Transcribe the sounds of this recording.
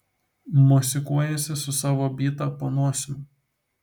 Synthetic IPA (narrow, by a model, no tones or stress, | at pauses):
mosʲɪkuɔjɛsʲɪsʊsɑːʋoːbʲiːt̪ɐpoːnoɔsʲɪm